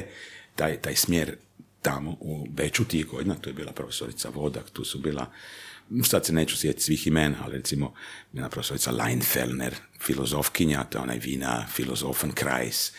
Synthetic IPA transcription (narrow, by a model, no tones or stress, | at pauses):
t̪aːjt̪aːjsmjeːɾ | t̪amoʔubet͡ʃut̪iɣɡod̪inat̪uːjebiːlapɾofesoɾit̪sa̰ʋo̞d̪a̰kt̪uːsubiːlˠa̰ | sad̪seneːt͡ʃu̥sjet̪t̪ʲsʋiximena̰liɾet̪simobilapɾofesoɾitsa̰la̰jnfḛlnḛɾ | filozofkiɲat̪ojeona̰jʋiːna̰filozofankɾa̰js